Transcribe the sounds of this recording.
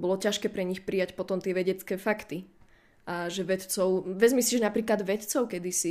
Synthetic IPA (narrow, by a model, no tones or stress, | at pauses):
bɔlɔcaʃkɛːpɾɛɲixpɾijacpɔt̪ɔmt̪ɪɛʋɛɟɛt͡skɛːfakt̪i | ʔaʒɛʋɛt̪t͡sɔʊʋɛzmisiːʒnapɾiːklad̪ʋɛt̪t͡sɔʊkɛd̪isi